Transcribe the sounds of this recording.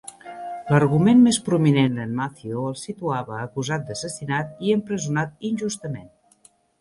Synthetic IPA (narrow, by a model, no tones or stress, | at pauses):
lərɣumenmespɾuminenənmaθioəlˠsit̪uaβəːkuzat̪̚d̪əsəsinat̪̚iəmpɾəzunat̪̚inʲʒust̪əmen